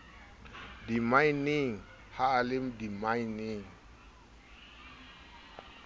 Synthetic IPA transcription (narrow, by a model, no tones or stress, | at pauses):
dimajniŋ | haːlɪmdimajniŋ